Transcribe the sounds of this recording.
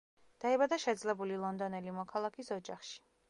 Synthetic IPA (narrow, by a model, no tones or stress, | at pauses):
d̪̥aɛbad̪aʃɛd̪zlɛbulilˠɔnd̪ɔnɛlimɔkʰalˠakʰisɔd͡ʒaχʃi̥